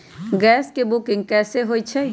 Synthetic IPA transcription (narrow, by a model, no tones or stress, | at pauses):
ɡɛːskebʊkɪ̃ŋɡ̚kɛːseɦoːit͡ʃʰɛ